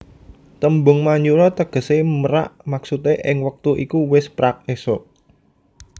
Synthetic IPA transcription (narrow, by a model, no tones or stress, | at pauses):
t̪əmbʊŋmaɲd͡ʒuɾɔt̪əɡ̥ə̤seməɾa̰ʔmaksut̪eʔɪŋwək̚t̪uʔikuwɪspɾak̚esɔ